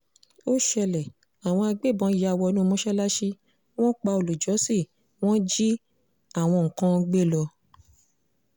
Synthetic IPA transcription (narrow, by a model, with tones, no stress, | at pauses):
o˦ʃɛ˧lɛ˨ | a˨w̃ɔ̃˧a˧ɡ͡be˦˨bɔ̃˨˦i˨ja˨˧˨wɔ˧nũ˦mɔ̃˦ʃɛ˦la˦ʃi˦ | w̃ɔ̃˦k͡pa˧o˨lu˨d͡ʒɔ˨˦si˦˨ | w̃ɔ̃˦d͡ʒi˦ | a˦˨w̃ɔ̃˧ŋ̩˨kã˧˦ɡ͡be˦˨lɔ˧